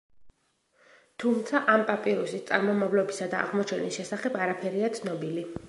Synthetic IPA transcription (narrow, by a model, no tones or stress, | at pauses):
t̪ʰumt̪sʰaʔampʼapʼiɾusist̪sʼa̰ɾmɔmavlɔbisad̪aʔa̰ʁmɔt͡ʃʰɛnisʃɛsaχɛbaɾapʰɛɾiat̪sʰnɔbili